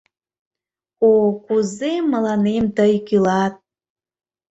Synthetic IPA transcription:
okuzemːəlɑnemt̪əjkylɑt̪̚

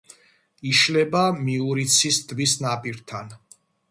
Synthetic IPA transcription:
iʃlɛbamiuɾit̪sʰisd̪ʼvisnapʼiɾt̪ʰan

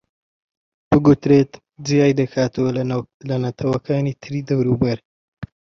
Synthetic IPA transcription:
b̥ɨɡut̪ɾet̪ | zijaːjd̪ɐkʰaːt̪ʰɐwɐ | lɐnɐt̪ʰɐwɐkʰaːniːt̪ʰɨɾiːd̪ɐwɾubɐɾ

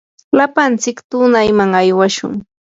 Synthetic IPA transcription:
lapant͡sɪkt̪ʊnajmaŋajwaʃʊ̰ŋ

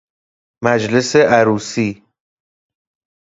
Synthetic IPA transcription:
mæd͡ʒle̞seʔæɾuːsiː

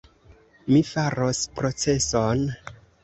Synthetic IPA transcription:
mifaɾospɾo̞t͡se̞son

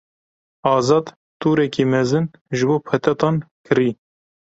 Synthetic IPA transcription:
ɑːzɑːd̪ | t̪uːɾɛkiːmɛzɨn | ʒɨboːpʰɛt̪ɛt̪ɑːnkʰɨɾiː

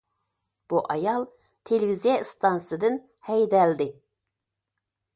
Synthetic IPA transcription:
b̥uʔɑjɑlˠ | t̪ʰelvizijɑst̪ʰɑnsɨd̪ɨn | hɛjd̪ɛld̪ɪ

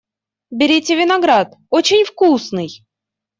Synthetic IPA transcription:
bʲɪɾʲitʲɪvʲɪnɐɡɾat̪ot͡ɕɪnʲfkusnɨj

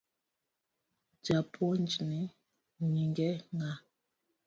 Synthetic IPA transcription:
d͡ʒapʰɔnd͡ʒini | ɲiŋɡɛŋa

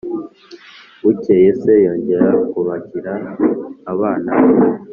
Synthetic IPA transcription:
ucejese̞jo̞ːɲɟe̞ɾakuβaciɾaː | βaːnaβ

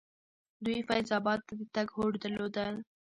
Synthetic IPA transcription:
d̪ujfajzɑbɑd̪̚t̪ːad̪ət̪aɡɦoɽd̪əɾlod̪əl

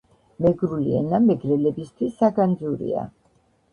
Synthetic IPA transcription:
mɛɡɾuliɛ̰namɛɡɾɛlɛbist̪ʰwisːaɡand̪zuɾḭa̰

